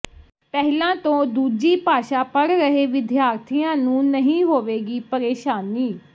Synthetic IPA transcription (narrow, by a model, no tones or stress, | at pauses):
pɛɦlãːt̪õːd̪uːd͡ʒiːpaːʃaːpəɽɾəɦeːʋɪd̪jaːɾt̪ʰijãːnũːnəɦĩːɦoːʋeːɡiːpəɾeːʃaːniː